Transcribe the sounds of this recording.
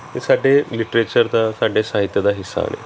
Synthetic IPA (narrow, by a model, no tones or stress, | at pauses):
t̪esaɖʱeliʈɾet͡ɕəɾd̪asaɖʱesaɦit̪jəd̪aɦisa̰ːnḛ